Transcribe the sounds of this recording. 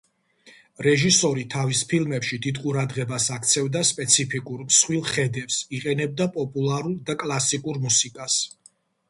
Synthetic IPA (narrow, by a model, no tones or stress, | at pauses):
ɾɛʒisɔɾit̪ʰavispʰilˠmɛpʃid̪id̪qʼuɾad̪ʁɛbasakʰt̪sʰɛvd̪aspʼɛt̪sʰipʰikʼuɾmsχwilˠχɛd̪ɛpsiqʼɛnɛb̚d̪apʼɔpʼulˠaɾulˠd̪akʼlˠasikʼuɾmusikʼas